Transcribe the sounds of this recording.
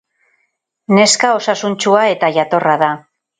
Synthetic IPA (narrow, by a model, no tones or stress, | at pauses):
ne̞skao̞sasunt͡ʃuae̞t̪aʝat̪o̞raða